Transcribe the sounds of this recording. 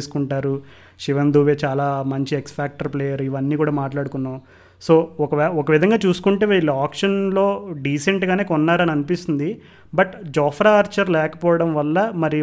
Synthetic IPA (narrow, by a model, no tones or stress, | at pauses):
su̥kuɳʈaːɾu | ʃiʋɐnd̪uːʋeːt͡ʃaːlaːmɐɲt͡ʃiekspʰaːk̚ʈɐɾpleːjɐɾiʋɐnːiːkuːɽaːmaːʈlaːɽukunːaː | so̞ːɔkɐʋɔkɐʋid̪ʱɐŋɡaːt͡ʃuːsu̥kuɳʈe̞ːʋiːlaːkʂɐnlo̞ːɖiːse̞ɳʈɡaːne̞ːkɔnːaːɾɐniɐnipist̪und̪i | bɐʈd͡ʒɔːpʰɾaːɾt͡ʃɐɾlɛːkɐ̥pɔːʋɐɽɐmʋɐlːɐmɐɾi